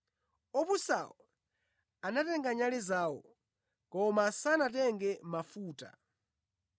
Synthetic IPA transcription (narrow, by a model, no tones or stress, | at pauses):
ɔpusa̰wɔ | anatɛŋɡaɲalɛzaːwɔ̰ | kɔmasanatɛŋɡɛmafuːta̰